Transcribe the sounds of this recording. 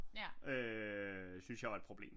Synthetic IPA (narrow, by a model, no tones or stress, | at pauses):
ø | synsjɑ̈ɪʋɑ̈ed̥̚pʰʁob̥lḛːm